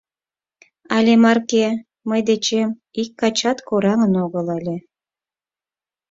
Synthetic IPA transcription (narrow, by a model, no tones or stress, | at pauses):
ɑlʲemɑrke | məjd̪et͡ɕem | ikːɑt͡ɕɑt̪koɾɑŋənoɣəlɑlʲe